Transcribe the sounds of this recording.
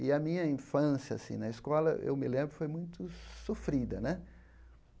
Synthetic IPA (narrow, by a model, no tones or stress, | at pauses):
ɪɐmĩɲɐĩfɐ̃sjɐasḭ̃nɐiskɔlɐ̰ʔḛwmɪlẽmbɾʊfojmũj̃t̪ʊsofɾid̪ɐnɛ